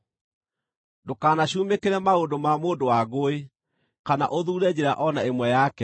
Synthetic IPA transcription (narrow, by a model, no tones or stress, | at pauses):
dokaːnaɕuːmekeɾɛmaodomamoːdowaɣoe | kana̰ʔoðuːɾɛd͡ʑeɾa̰ʔɔnaemwɛjakɛ